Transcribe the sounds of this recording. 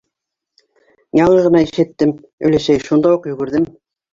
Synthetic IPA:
jɑɴɤʁɤ̆nɑiʃɘ̆t̪ːɘm | ɵ̰̆jlæʃæjʃund̪ɑuqjɵ̆ɡɘ̆ɾðɘm

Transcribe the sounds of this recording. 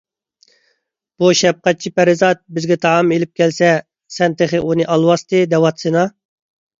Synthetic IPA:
b̥uʃɛp̚qæt̪̚t͡ʃʰipæɾɪzɑt̪̚bɪzɡʲɛt̪ʰɑɑmelɪp̚kʲʰɛlsɛ | sɛnt̪ʰeχɨʔunɨʔɑlˠwɑst̪ɨd̪ɛwɑt̪sɨnɑ

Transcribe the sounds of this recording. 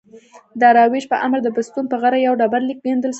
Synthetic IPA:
d̪əɾɑweʃpəʔamɾd̪əbʊst̪unpəɣaɾajawɖɑbaɾlik̚bend̪əlʃ

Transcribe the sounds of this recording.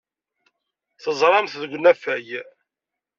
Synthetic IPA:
θəzˤɾˤɑmθðəɡʷnæfæj

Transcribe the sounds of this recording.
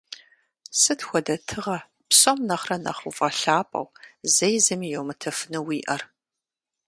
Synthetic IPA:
sɨtxʷɔdɐtʰɨʁɐ | psɐmnɐχrɐnɐ̰χuvɐɬaːpʼɐ̰wzɐjzɐmijɛwmɨtʰɐfnɨwiːʔɐr

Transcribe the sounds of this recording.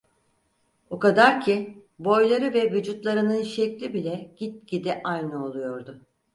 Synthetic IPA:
okad̪aɾcʰibo̞jlˠaɾɯvɛvyd͡ʒut̪lˠaɾɯnɯnʃɛclʲibilʲɛɟ̥it̪̚ɟ̥id̪ɛʔajnɯo̞lˠujo̞ɾd̪ʊ

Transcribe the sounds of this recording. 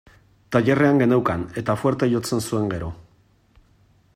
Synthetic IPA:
t̪aʎe̞reaŋɡe̞nawkane̞t̪afwe̞ɾt̪aʝo̞t͡se̞nsue̞ŋɡe̞ɾo̞

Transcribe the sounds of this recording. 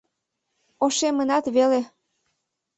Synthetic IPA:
oʃemənɑt̪βele

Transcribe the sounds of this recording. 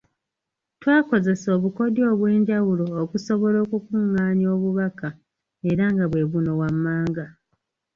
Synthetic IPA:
twaːko̞ze̞so̞ːβuko̞djo̞ːβwe̞ːɲɟawulo̞ːkuso̞βo̞lo̞ːkukuːŋːaːɲjo̞ːβuβaka | e̞ɾaŋɡaβwe̞βuno̞wamːaːŋɡa

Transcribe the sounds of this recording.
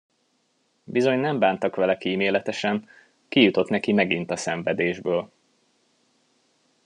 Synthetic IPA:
bizo̞ɲnɛmbaːnt̪ɒkʋɛlɛkiːmeːlɛt̪ɛʃɛn | kijut̪o̞t̪nɛkimɛɡint̪ɒsɛɱvɛd̪eːʒbøːl

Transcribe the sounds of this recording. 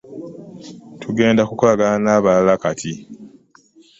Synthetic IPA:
tʰuɡe̞ːndakukolaɡananaːβalakatʰi

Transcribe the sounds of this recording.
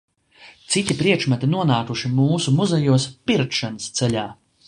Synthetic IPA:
t̪sit̪ʲipɾiɛkʃmat̪inuɔnaːkuʃimuːsumuzɛjuɔspiɾt̪ʃanəst̪sɛʎʲaː

